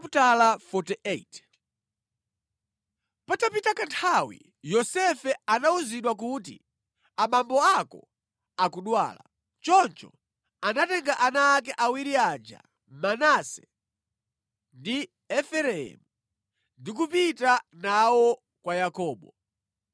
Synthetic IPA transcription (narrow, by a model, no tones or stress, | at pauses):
talafɔtiet | patapitakantʰawḭ | jɔsɛfɛanauziɗwak̬ut̬ḭ | amambɔakɔ̰ | akuɗwa̰ːla̰ | t͡ʃɔnt͡ʃɔ̰ | anatɛŋɡaʔanaːk̬ɛʔawiɾiaːd͡ʒa̰ | manasɛ | ndi | ɛfɛɾɛɛ̰mu | ndik̬upitanawɔ | kwajakɔːɓɔ